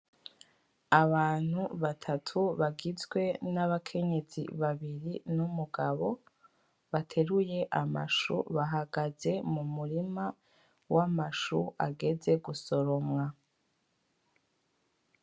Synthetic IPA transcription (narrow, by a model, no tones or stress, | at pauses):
aβaːn̥huβatʰatʰuβaɡizɡwe̞naβakʰe̞ɲe̞z̥ḭβaβiɾinumuɡaβo̞ | βatʰe̞ɾuje̞ʔama̰ʃṵβaɦaɡaze̞mumuɾima | wʔamaʃua̰ɡe̞ze̞ɡuso̞ɾo̞mŋa